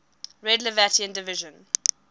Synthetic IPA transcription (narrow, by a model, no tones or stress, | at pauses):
ɹɛdləvætiə̃ndɪvɪʒə̃n